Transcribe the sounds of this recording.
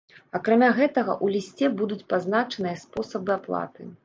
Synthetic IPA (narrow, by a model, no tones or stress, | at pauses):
akɾamʲaɣɛt̪ɐɣɐ̰ʔulʲisʲt͡sʲɛbud̪ut͡sʲpazn̪at͡ʂɐnɨjɐspɔsɐbɨaplˠa̰t̪ɨ̰